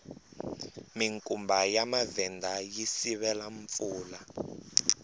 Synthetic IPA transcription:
miŋkʼumbʱajamavɛndʱajisiβɛlaɱp̪fuːla

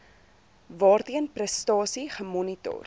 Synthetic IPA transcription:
vɑːrtiənprəstɑːsiχəmɔnito̰r

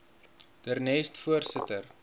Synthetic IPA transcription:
d̥ərnɛːstfuərsətər

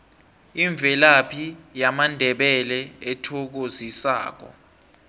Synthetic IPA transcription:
iɱb̪vʱɛlapʰijamandʱɛɓɛlɛɛtʰɔk̬ozisa̰ːk̬ɔ̰

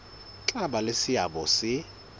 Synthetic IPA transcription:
ǁʼaɓalesɪjaɓɔsɪ

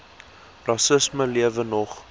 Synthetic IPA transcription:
rɑsəsməliəvənɔχ

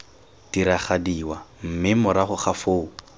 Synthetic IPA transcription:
d̥iɾaχadiwam̩mɪmʊɾaχʊχafoːu

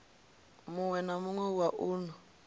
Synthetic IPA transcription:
muŋwɛnamuŋwɛwaʔuːnu

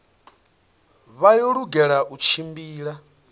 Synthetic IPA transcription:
βajɔɺuɡɛɺaʔut͡ʃʰimbiːɺa

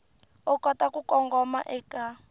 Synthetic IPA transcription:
ɔkɔtakukɔŋɡɔma̰ʔɛka

